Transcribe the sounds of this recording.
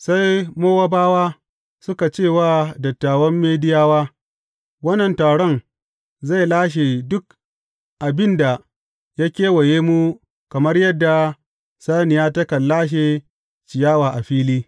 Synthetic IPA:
sa˦jmoː˦wa˦baː˦waː˦ | sʊ˦ka˨t͡ʃeː˦˨waː˦˨dɐ˨tːaː˨wɐ˦mːeː˦dɪ˦jaː˦waː˦ | wɐ˦nːɐ˨ntaː˨ɽɔ˦ŋ | za˦˨jlaː˦ʃ̬e˨dʊ˦k̚ | ʔa˨bɪ˦nda˨ | jaː˦kʲeː˦wɐ˨jeː˦mu˦ | kɐ˨mɐ˦rjɐ˦dːa˨ | saː˦nɪ˨jaː˦tɐ˦kɐ˨lːaː˦ʃ̬eː˨ | t͡ʃɪ˨jaː˦waː˨ʔa˨ɸiː˦liː˦

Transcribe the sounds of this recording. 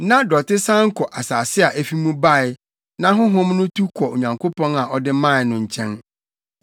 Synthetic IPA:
nã˦dɔ˨tɪ˦sã˦ŋ̩˦kʰɔ˨ʔa˨saː˨sɪ˦a˨ʔæ˦fi˦mũ˦ba˦˨ɪ˨ | nã˦ɦʊ̃˦ɦʊ̃˦mnʊ̃˦tʰu˦kʰɔ˨o˨ɲã˨ŋkʰo˦pɔ̃˦na˨ʔɔ˦dɪ˦mã˦˨nʊ̃˨ɲ̩˨t͡ɕʰɛ̃˦n

